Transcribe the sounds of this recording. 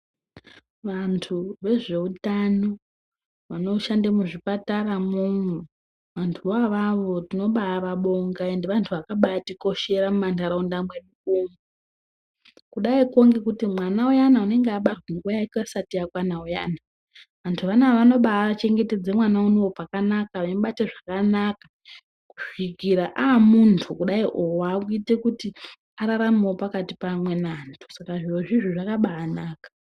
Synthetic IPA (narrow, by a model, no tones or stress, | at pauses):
ʋantʰuʋe̞ʐe̞utano | ʋano̞ʃandamuʐipataramunu | ʋantʰuʋaʋaʋo̞tino̞ɓaːraɓoŋɡae̞ndeʋantʰuʋakaɓatiko̞ʃe̞ɾamumantaɾaundamwe̞mukumu | kuɗaikoŋɡekutimwanaujanaune̞ŋɡeaɓarwanuojaikasatiakwanauja̰na | ʋantʰuʋanaʋano̞ɓaːt͡ʃe̞ŋɡe̞te̞d͡zemwanaunoopakanakaʋaɓateʐakanaka | ku̥ʂikiɾaʔamuntʰukuɗaiʔowaːkuite̞kuti | aɾaɾamawopakatipamwe̞naːntʰu̥sakaʐiwoʐiʐoʐakaɓaːnaːkḁ